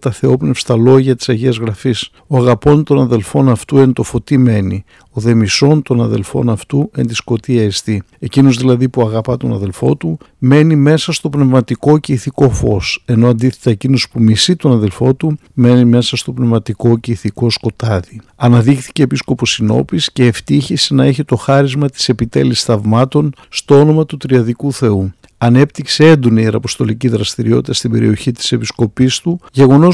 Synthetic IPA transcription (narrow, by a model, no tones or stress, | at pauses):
t̪ɐθe̞o̞pnefst̪ɐlo̞ʝɐt̪i̥sɐʝeɐzɣɾɐfis | o̞ɐɣɐpo̞nt̪o̞nɐðe̞lfo̞nɐft̪uent̪o̞fo̞t̪ime̞ni | o̞ðe̞miso̞nt̪o̞nɐðe̞lfo̞̰nɐft̪ue̞nd̪isko̞t̪iɐist̪i | e̞cino̞zðilɐðipuɐɣɐpɐt̪o̞nɐðe̞lfo̞t̪ume̞nime̞sɐst̪o̞pnevmɐt̪iko̞ceiθiko̞fo̞se̞no̞ɐnd̪iθet̪ɐe̞cino̞spumisit̪o̞nɐðe̞lfo̞t̪u | me̞nime̞sɐst̪o̞pne̞vmɐt̪iko̞ceiθiko̞sko̞t̪ɐðiɐnɐðixθi̥ce̞ːpisko̞po̞sino̞̰pisce̞ːft̪içisenɐe̞çet̪o̞xɐɾizmɐt̪i̥se̞pit̪e̞̰lisθɐvmɐt̪o̞n | st̪o̞o̞no̞mɐt̪ut̪ɾiɐðikuθe̞u | ɐne̞pt̪iksee̞nd̪o̞niieɾɐpo̞st̪o̞liciðɾɐst̪iɾio̞t̪it̪ɐst̪ibe̞ɾḭo̞çit̪i̥se̞pisko̞pist̪uje̞ɣo̞no̞s